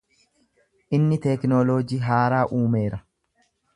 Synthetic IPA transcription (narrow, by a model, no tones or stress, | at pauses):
ʔɪnːɪt̪ɛknoloːd͡ʒiːɦaːɾaːʔuːme̞ːɾɐ